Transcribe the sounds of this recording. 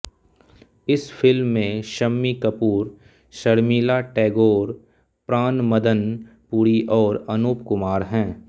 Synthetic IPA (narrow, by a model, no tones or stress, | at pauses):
ɪsfʰɪlmːẽʃɐmːikɐpuːɾ | ʃɐɾmiːlaʈɛːɡoːɾ | pɾaːnmɐd̪ənpuːɾiʔɔːɾɐnuːpkʊmaːɾɦɛ̃ː